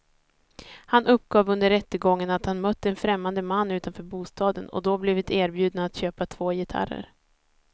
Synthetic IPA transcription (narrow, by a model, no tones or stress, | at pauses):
hanʔɵpːɡɑːvɵnd̪əɾːɛt̪ːəɡɔŋːənat̪hanmœt̪ːəɛnfɾɛmːand̪əmanːʉ̟ːt̪anfœːɾbuːst̪ɑːd̪ənɔ̰d̪ɔblɪvɪt̪eːɾbjʉ̟ːd̪̚naːt̪ɕøːpat̪ʰv̥oːjɪt̪ʰa̰ɾə̰ɾ